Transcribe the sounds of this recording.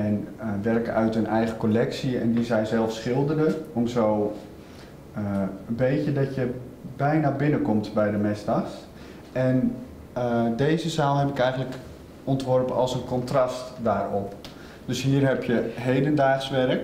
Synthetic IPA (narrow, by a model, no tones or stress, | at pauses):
ɛnʋɛrkəœɥtənɛjχəkolɛksiɛ̰ndizɛjzɛlˠfsχɪlˠdərəɔmzow | əənbejcədɑtjə | bɛjnabɪnəkɔmtbɛjdəmɪzdɑxs | ɛn | dejzəzaːlˠɦɛpɪkɛjχəntlək | ɔntʋɔrpəɑlˠsənkɔntrɑstdaːrɔp | døsɦiːərɦɛpjəɦejdəndaːχsʋɛrək